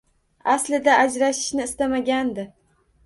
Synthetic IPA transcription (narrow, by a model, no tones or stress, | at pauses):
aslɪd̪aʔad͡ʒɾaʃɪ̥ʃnɪːst̪amaɡʲand̪ɪ